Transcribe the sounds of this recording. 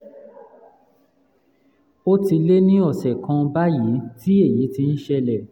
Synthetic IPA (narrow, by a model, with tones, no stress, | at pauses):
o˦ti˧le˦nĩ˦ɔ˦˨sɛ˨kã˧ba˦ji˨˦ti˦e˦˨ji˨˦ti˧n̩˦ʃɛ˧lɛ˦˨